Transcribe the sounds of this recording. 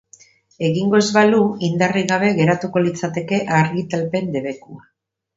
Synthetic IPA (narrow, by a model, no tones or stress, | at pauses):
e̞ɣiŋɡo̞ezβaluind̪ariɣaβ̞e̞ɣe̞ɾat̪uko̞lit͡sat̪e̞ke̞ʔaɾɣit̪alpe̞nd̪e̞βe̞kua